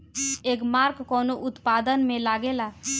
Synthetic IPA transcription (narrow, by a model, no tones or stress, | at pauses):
eːkmaɾkkɔːnoʔʊt̪pad̪ənmẽlaɡela